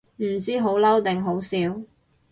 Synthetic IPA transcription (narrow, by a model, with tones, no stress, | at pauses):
m̩˨˩t͡siː˥ɦo˨˥wlɐ˥wt̪ɛ˨ŋɦo˨˥wsiː˨˧w